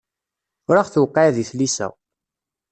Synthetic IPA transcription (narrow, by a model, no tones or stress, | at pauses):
ʊɾaχθuwqːɑðiθlisæ̰